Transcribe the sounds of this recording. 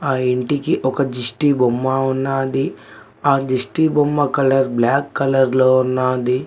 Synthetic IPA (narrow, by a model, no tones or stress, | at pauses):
aːiɳʈikiʔɔkɐd͡ʒisʈibomːaːunːaːd̪i | aːd͡ʒisʈibomːɐkɐlɐɾblaːkːɐlɐɾloːunːaːd̪i